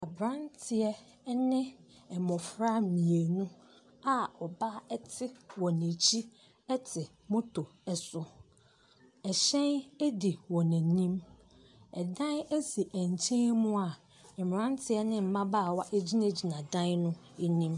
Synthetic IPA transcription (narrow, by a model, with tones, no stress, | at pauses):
a˨bɾã˦ntʰɪ˨ɛ˦ | nɪ̃˦ | ɛ˨mɔ̃˨fɾa˦mĩ˨e˨nʊ̃˦ | a˨ɔ˨ba˦ɛ˦tʰɪ˦wɔ˨nẽ˨t͡ɕʰi˦ | ɛ˦tʰɪ˨ | mʊ̃˦tʰo˨ɛ˨sʊ˨ | ɛ˨ɕɛ̃˦ne˦di˨wɔ˨næ̃˨nĩ˦m | ɛ˨dã˦ne˦si˨ʔæ˨ɲ˨t͡ɕʰɛ̃˦mʊ̃˦a˨ | ɛ˨m˨ɾã˦n˦tʰɪ˦ɛ˦nɪ̃˦m̩˨mã˦baː˦˨wa˦ʔe˦d͡ʑi˦næ˦d͡ʑi˨nã˨dã˦nʊ̃˦ | e˨nĩ˦m